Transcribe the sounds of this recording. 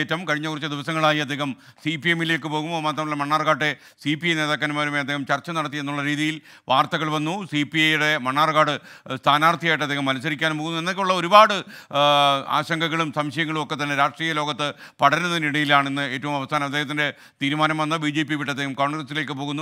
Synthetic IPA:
etːɐmkɐɻiɲːɐkurit͡ɕːɨd̪iʋɐsɐŋːɐɭaːjiɐd̪ʱːeːɦɐm | siːpiemile̞ːkːɨpo̞ːɣumoːmaːt̪̬rɐmilːemɐɳːaːrkaːɖːe | siːpijɐjneːðaːk̬ʲːaːnumaːɾumeɐd̪eːhɐmt͡ɕɐrt͡ɕːɐnɐɽɐt̪ːie̞nːuɭːɐɾiːðijil | ʋaːrt̪ɐɣɐɭʋɐnːusipiɐjuɽe̞mɐɳːaːrkaːɽɨst̪ʰaːnaːrt̪ʰijaːjiʈːɐd̪ʱːeːhɐmːɐlɐs̬ɐɾikʲːaːnumpoːɣunːuenːokeuɭːɐo̞ɾubaːɽɨ | a̰ːɕɐŋɡɐɣːɐɭumsɐmɕɐjɐŋːɐɭumo̞kːe̞t̪ːɐnːeɾaːʂʈriːjɐlo̞ːɡɐt̪ːɨpɐɽɐnunːɐiniɽɐjilaːɳenːɨe̞ːtːɐʋumɐʋɐst̪ʰaːnɐmɐd̪ːeːɦɐt̪̬ːinde̞ | t̪iːɾumaːnɐmʋɐnːɐbiːd͡ʑeːpiʋiʈːɐd̪eːhɐmko̞ːɳɡrɐsile̞ːkːɨpo̞ːɣunːu

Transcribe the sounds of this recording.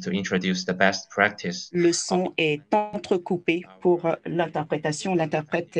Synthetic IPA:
tʰuĩntɹodjusðəbɛst̚pʰɹæk̚tʰɪsləsɔ̃ɛt̪ɑ̃t̪χəkupepuʁlɛ̃t̪ɛʁpχet̪asjɔ̃lɛ̃t̪ɛʁpχɛt̪

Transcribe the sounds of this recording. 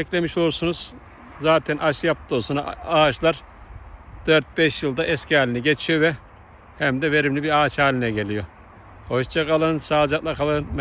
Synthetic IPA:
ɛclʲe̞miʃo̞lˠuɾsunuz̥ | zaːt̪ʰɛnʔaʃɯjap̚t̪osunaaːt͡ʃlˠaɾ | d̪̥øɾt̪̚bɛʃjɯlˠd̪aʔɛskcʰʲiaːlʲiniɟet͡ʃʰijovɛ | hɛmd̪ɛve̞ɾimlʲibiaːt͡ʃhaːlʲinɛɟe̞lʲijo̞ | hoʃt͡ʃʰakalˠɯnsaːd͡ʒaklˠakʰalˠɯnm

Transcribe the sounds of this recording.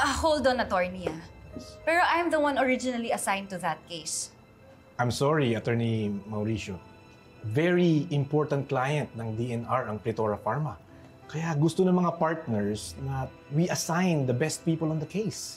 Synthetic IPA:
ʔɐhowld̪onɐt̪ɔɹniapɛɹoʔajmd̪ɐwãnɔɹɪd͡ʒɪnɐliɐsãjnt̪ʊðɐt̪̚kejs | ʔajmsɔɹiɐt̪ɛɹnimɐwɾiʃo | vɛɹiɪmpɔɹt̪ɐnt̪̚klajɐ̃nt̪̚nɐŋd̪iɛnaɹɐŋplɛt̪oɹɐfaɹmɐ | kɐjaɡʊst̪onɐŋmɐŋapaɹt̪̚nɛɹsnɐ | wiʔɐsãjnd̪ɐbɛst̪̚piːpɐlɔ̃nd̪ɐkʰejs

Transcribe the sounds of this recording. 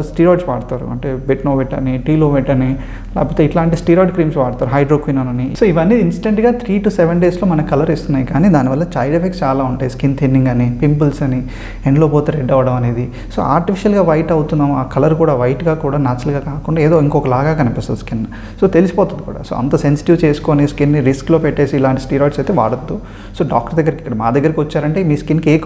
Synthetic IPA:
sʈiːɾoːɖsʋaːɽut̪aːɾṵɐ̰ɳʈeːbeʈnoːʋeʈːɐ̰niʈiːloːʋeʈːɐni | la̰ːpoːt̪eiʈlaːɳʈisʈiːɾoːɖkɾiːmsʋaːɽut̪aːɾuɦɐjɖɾoːkʋiːnɐnɐnisoːiʋɐnːiːinsi̥ʈeɳʈɡaːt̪ʰɾiːʈuːseʋeɳɖeːslo̞ːmɐnɐkɐlɐɾist̪unːaːjikaːniːd̪aːniʋɐlːɐt͡ʃɐːjɖepʰekst͡ʃaːlaːuɳʈaːjiskint̪ʰinːiŋɡɐnipimpulsɐni | eɳʈloːpoːt̪eːɾeɖɐʋɐɽɐmɐne̞ːd̪i | so̰ːa̰ːɾʈifʰiʃɐlɡaːʋɐjʈɐwut̪unaːmaːkɐlɐɾkuːɽaːʋɐjʈɡaːkuːɽaːnaːt͡ʃɐlɡaːkaːkuɳɖaːeːd̪oːiŋkoːkɐlaːɡaːkɐnipist̪ɐd̪skin | so̞ːt̪elisi̥pɔːt̪und̪ikṵːɽa̰ːso̰ːɐ̰nt̪ɐsensi̥ʈiʋt͡ʃe̞ːsu̥koːniskinːiɾisklo̞ːpeʈːe̞ːsiːlaːɳʈisʈiːɾoːjʈsɐjt̪eːʋa̰ːɽɐd̪ːu | so̞ːɖaːk̚ʈɐɾd̪ɐɡːɐɾiki̥kːɐɽɐmaːd̪ɐɡːɐɾikiʋɐt͡ʃːaːɾɐɳʈe̞ːmiːskinkeːk

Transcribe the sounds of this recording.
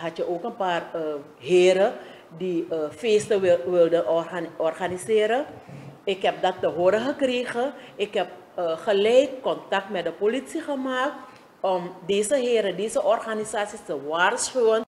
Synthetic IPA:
ɦɑtjəʔoːkənpaːrə | ɦeːɾə | diəfeːstəʋɪlˠdənɔrxaniseːɾəɪkɦɛp̚dɑtːəɦoːɾəxəkriːxəɪkɦɛp̚ | əχəlɛjkːɔntak̚tmɛt̚dəpolitsiχəmaːk̚t | ɔmdeːzəɦɪːɾədeːzəʔɔrxanisaːsistəʋaːrsχywən

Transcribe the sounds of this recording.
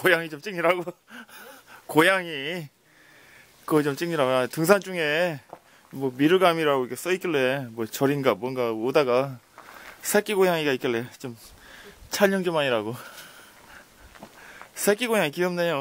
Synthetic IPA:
kojaŋit͡ɕomt͡ɕ͈iŋɲiɾaɡo | kojaŋi | kɯt͡ɕomt͡ɕ͈ɯŋɲiɾaɡoatɯŋs̬ʰand͡ʑuŋe̞ | mwʌmiɾɯɡamiɾaɡoiɡes͈ʌik͈iɭːe̞mwʌt͡ɕʌɾinɡamwʌnɡaodaɡa | sʰek͈iɡojaŋiɡaik͈ilːe̞t͡ɕom | t͡ɕʰaʎɲʌŋd͡ʑomaɲiɾaɡo | sʰek͈iɡojaŋikiɯmnejo

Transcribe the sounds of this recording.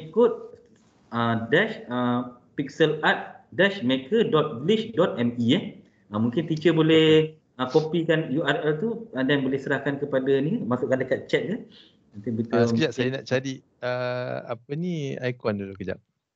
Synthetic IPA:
ikʊt̪̚ | ədɛʃə | pik̚səlat̪̚dɛʃmekʰədɔt̪̚bliʃdɔt̪̚ɛmiɛh | əmũŋkɪnt̪it͡ʃəbolɛh | əkopikanjuarɛlt̪uədɛnbolɛhsəɾahkankəpadanikanmasʊʔkandəkat̪̚t͡ʃɛt̪̚kan | ənt̪ibət̪əsəiaʔsajənaʔt͡ʃaɾi | əa̰pəniajkɔndulukəd͡ʒa̰ʔ̚

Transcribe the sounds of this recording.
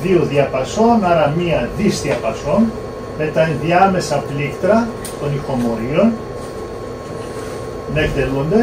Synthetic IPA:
iuðiɐpɐso̞nɐɾɐmiɐðisðiɐpɐso̞n | me̞t̪ɐðiɐme̞sɐplikt̪ɾɐ | t̪o̞nixo̞mo̞ɾio̞n | nend̪elund̪e

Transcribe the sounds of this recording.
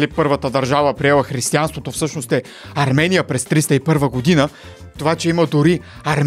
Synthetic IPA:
lipɤɾvət̪əd̪ɐɾʒavəpɾiɛlˠəxɾist̪ianst̪vot̪ofsɤʃnost̪ɛ | ɐɾmɛnijəpɾɛst̪ɾist̪əipɤɾvəɡod̪inə | t̪ovat͡ʃɛiməd̪ʊɾi | ɐɾm

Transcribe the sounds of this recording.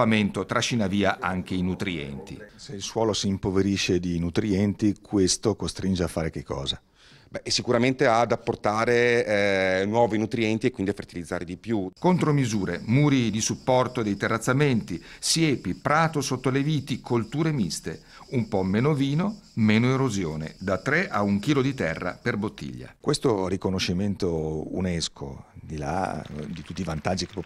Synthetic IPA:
ament̪ot̪ɾʔaʃːinaviːaʔaŋk̟einut̪ɾiɛ̰nt̪ḭseilswɔːlosiːmpoveɾiʃed̪inut̪ɾiɛnt̪ikʰwest̪okost̪ɾind͡ʒeafːaːɾek̟ekːɔ̰ːza | bɛsːikuɾament̪ead̪apːort̪aːɾe | nwɔːvinut̪ɾiɛnt̪iekwind̪iafert̪ilid̪zaːɾed̪ipjukont̪ɾomizuːɾḛmuːɾid̪isupːɔrt̪od̪ejt̪erːat̪sːament̪isjɛːpipɾaːt̪osot̪ːoleviːt̪ikʰolt̪uːɾemist̪e | umpɔmɛːnoviːnomɛːnoeɾozjoːnḛd̪at̪ːɾeʔauŋkiːlod̪it̪ɛrːa̰perbot̪ːḭʎːa̰kwest̪oɾikonoʃːiment̪oṵneskʰo̰d̪ila̰d̪it̪ut̪ːivant̪ad͡ʒːike̥p

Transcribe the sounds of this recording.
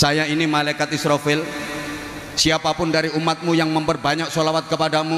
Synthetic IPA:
sajainimalakat̪isɾofɪl | siapapʊndaɾiumːat̪̚mujaŋməmpərbaɲak̚solawat̪̚kəpadamu

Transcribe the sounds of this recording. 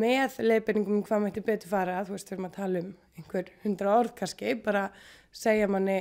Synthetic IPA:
mɛːðleːjpɛniŋkʏmkʰvaːmɛjht̪ɪpɛːt̪ʏ̥faːɾaθuɛst̪veɾʏmaðt̪ʰaːlɪʏmejŋ̥kʰvɛɾ̥hʏnt̪ɾaɔɾðkʰascɪpaːɾa | seːjamanːɪ

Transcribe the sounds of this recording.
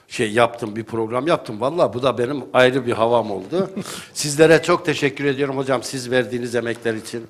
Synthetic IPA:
ʃejːap̚t̪ʰɯmbipʰɾo̞ɡɾamjap̚t̪ʰɯmvalˠːaːbud̪abe̞nimajɾɯbiɦavamo̞̰lˠd̪ʊsizlʲe̞ɾɛt͡ʃʰo̞k̚t̪ʰeʃɛcːyɾe̞d̪ijo̞ɾumho̞d͡ʒamsizvæɾd̪iːnizemɛclʲæɾit͡ʃʰin

